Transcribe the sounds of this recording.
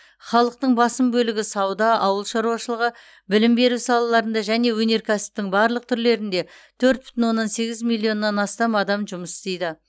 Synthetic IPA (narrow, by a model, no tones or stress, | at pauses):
χɑlˠəq̚t̪əɴbɑsəmbɵlɪɡʲɪsɑwd̪ɑʔɑwəlˠʃɑɾuwɑʃəlˠəʁə | bɪlɪmbe̞ɾusɑlˠɑlˠɑɾənd̪ɑʒæne̞wɵne̞ɾkʲʰæsɪ̥p̚t̪ɪŋbɑɾlˠəq̚t̪ʰʏɾle̞ɾɪnd̪e̞ | t̪ʰɵɾt̪̚bʏ̥t̪ɪnwo̞nːɑnse̞ɡʲɪzmilʲˠːio̞nːɑnɑst̪ɑmɑd̪ɑmʒʊməsɪ̥st̪e̞jd̪ɪ